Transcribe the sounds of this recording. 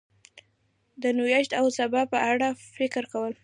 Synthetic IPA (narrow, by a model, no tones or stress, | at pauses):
d̪ənujaʃt̪awsabɑpəʔaɽafɪkɾkawəl